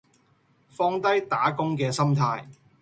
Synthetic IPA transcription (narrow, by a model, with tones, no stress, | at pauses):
fɔː˥ŋt̪ɐ˥jt̪aː˨˥kʊ˥ŋkɛː˧sɐ˥mt̪ʰaː˧j